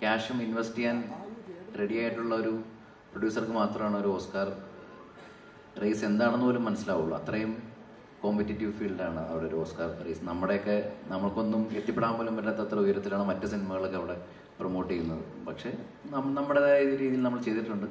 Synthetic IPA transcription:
kʲaːʂɐminʋɐstːijaːn | re̞ɽijaːjiʈːuɭːɐo̞ɾu | proɽjuːsɐrkɨmaːt̪rɐmaːɳo̞ɾuo̞ːskaːr | rɐjse̞nd̪aːɳenːupoːlumːɐnɐsilaːɣuɭːṵɐ̰t̪rɐjum | kompitːitːiʋfiːɭɖaːɳɨɐ̰ʋiɽeoɾuo̞ːskaːrrɐ̰jsɨnɐmːuɽe̞jokːenɐmːɐɭko̞nːumet̪ːjɐpːeɽaːmboːlumpɐtːaːt̪ːɐt̪rɐujɐɾɐt̪ːilaːɳɨmɐtːɨsinimɐɣɐɭokːeɐʋiɽe̞ | prɐmo̞ːʈːejːunːɐðɨ̰pɐkʂe̞ | nɐnɐmːuɽeðaːjɐiðiɾiːðijilnɐmːɐɭt͡ɕe̞jt̪ːiʈːuɳɖɨ

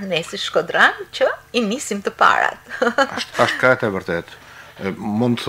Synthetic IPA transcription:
nɛsiʃkɔd̪ɾant͡ʃəinisimt̪əpa̰ɾa̰t̪ʃaʃt̪kaɛt̪ɛvəɾt̪ɛt̪ | mund̪θ

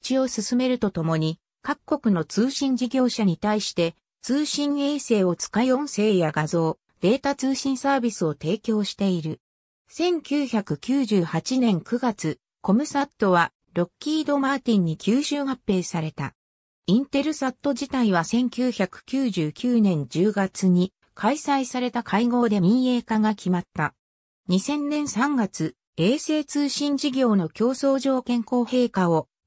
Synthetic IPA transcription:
t͡ɕio̞sɨsɨme̞ɾɯ̟t̪o̞t̪o̞mo̞ɲ̟i | kakkːo̞kɯ̟no̞t͡sɨːɕĩɲ̟d͡ʑiɡʲo̞ːɕaɲ̟it̪aiɕi̥t̪e̞ | t͡sɨːɕĩɰ̃e̞ːse̞ːo̞t͡sɨ̥kajõ̞se̞ːjaɡazo̞ː | d̪̥e̞ːt̪at͡sɨːɕĩɰ̃saːbʲisɨo̞t̪e̞ːkʲo̞ːɕi̥t̪e̞iɾɯ̟ | sẽ̞ŋkʲɨːçakɯ̟kʲɨːʑɨːhat͡ɕinẽ̞ŋkɯ̟ɡat͡sɨ | ko̞mɯ̟sat̪ːo̞βa | ɾo̞kʲːiːd̪o̞maːt̪ʲĩɲ̟ːikʲɨːɕɨːhapːe̞ːsaɾe̞t̪a̰ | ĩnt̪e̞ɾɯ̟sat̪ːo̞ʑit̪aiβ̞asẽ̞ŋkʲɨːçakɯ̟̥kʲɨːʑɨːkʲʰɨːnẽ̞ɲ̟d͡ʑɨːɡat͡sɨɲ̟i | kʰaisaisaɾe̞t̪akʰaiɡo̞ːd̪e̞mĩɰe̞ːkaɡakʲʰimat̪ːa | ɲ̟isẽ̞nnẽ̞ɰ̃sãŋɡat͡sɨ | e̞ːse̞ːt͡sɨːɕĩɲd͡ʑiɡʲo̞ːno̞kʲo̞ːso̞ːʑo̞ːkẽ̞ŋko̞ːhe̞ːkao

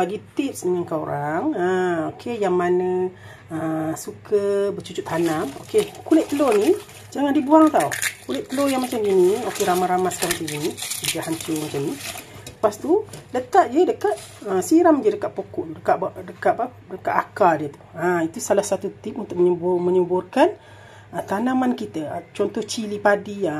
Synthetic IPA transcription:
baɡit̪ɪp̚səɲəŋkaoɾaŋaokʰejaŋmanə | əsukʰəbət͡ʃud͡ʒuʔ̪hanamo̰kekulɛʔt̪ːəloni | d͡ʒaŋandibuaŋt̪aṵkulɪʔt̪ːəlojaŋmat͡ʃaminiokeɾamaɾamasə̥kaɾaŋt̪əɡinəɡahaɲt͡ʃʊmat͡ʃamnipast̪ulət̪aʔ̚d͡ʒədəkat̪̚ | əsiɾamd͡ʒədəkaʔ̪̚pokuʔdəkaʔbdəkaʔpa | dəkaʔ̪akadiət̪u̥ait̪usalahsat̪ut̪ip̚unt̪ʊk̚mɲəbʊməɲəbʊrkan | ət̪anamankit̪ət͡ʃɔnt̪ɔht͡ʃilipadia

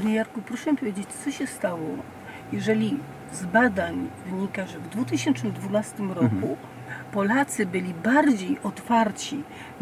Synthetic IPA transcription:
ɾjaɾkupɾɔʂɛmipɔvjed͡ʑet͡ɕt̪sɔɕɛst̪awɔ | jɛʐɛlʲi | zbad̪aɲvɘɲikaʐɛvd̪vut̪ɘɕɛnt͡ʂnɘmd̪vunast̪ɘmɾɔku | pɔlat̪sɘbɘlʲibaɾd͡ʑejʔɔt̪faɾt͡ɕi

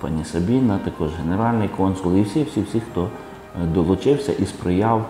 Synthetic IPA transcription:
pɑ̰nʲisɐbʲinɐt̪ɐkɔʒɦeneɾɑlʲnɪjkɔnsʊlˠiwsʲiwsʲiwsʲixt̪ɔ | d̪ɔlˠʊt͡ʃɪwsʲɐ̰ʔispɾɪjɑw

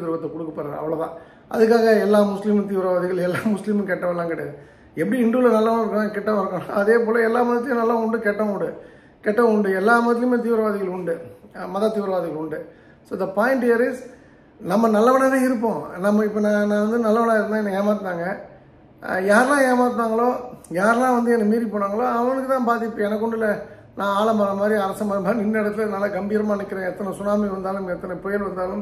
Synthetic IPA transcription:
t̪ɪɾʋɐt̪ːkʊɽɯkːɐpːɐɾɐɾɐ̰ʋːɐɭɐðã̰ː | ʔɐ̰ðɯkːaːɣɐɛlːaːmʊslɪmt̪iːʋɪɾɐʋaːðɪɣɐɭɛlːaːmʊslɪmkɛʈːɐʋɐlːãːkɪɽɛjaðɯ | ɛpːɐɽiɪɳɖɯlɐnɐlːɐʋɐɳɪɾɯkːɐnaːŋɡɐkɛʈːɐɪɾɯkːɐ̃ɐðeːpoːlɐɛlːaːmɐːðɪjʊ̃nɐlːaʊɳɖɯkɛʈːɐ̃ʊɳɖɯ | kɛʈːɐ̃ʊɳɖɯɛlːaːmɐːt̪ːɪɯmeːt̪̬iːʋɪɾɐʋaːðɪɣɐɭʊɳɖɯmɐðaːt̪ːiːʋɾɐʋaːðɪɣɐɭʊɳɖɯ | soːd̪ɐpaːɪɳʈɪjɐɾɪs | nɐmːɐnɐlːɐʋɐnaðaɪɾɯp̬ːõnɐmːɐɪpːɐːnãːnãːʋɐnd̪ɯnɐlːɐʋɐnaːɪɾɯnd̪ãːɛnːɐeːmaːt̪naːŋɡɐ | jaːɾlãːeːmaːɾt̪naːŋɡɐɭoːjaːɾlãːʋɐnd̪ɯɛnːɐmiːɾipoːnaːŋɡɐɭoːɐʋɐɐnɯkːɯt̪ãːpaːɾt̪ɪɾɯʈːɯɛnɐkːʊɳɖɪlːɐ | nãːaːɭɐmaːɾɐmaːd̪ɾiɐɾɐsɐmɐːɾɐnaːnɪnːɐɪɽɐt̪ːɪlnɐlːɐkɐmbijɾɐmaːnɯkːɪɾẽːɛt̪ːɐnɐsʊnaːmiʋɐnd̪aːlmɛt̪ːɐnɐpɔjɐlʋɐnd̪aːlɯm

